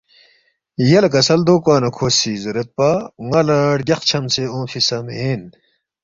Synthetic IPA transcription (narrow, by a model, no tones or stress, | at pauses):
jɐlɐkɐsɐld̪oːkaːnɐkʰoːsiːzɐɾɐt̪̚paŋɐlɐɽɡʲɐxt͡ɕʰɐmseõːfisɐmen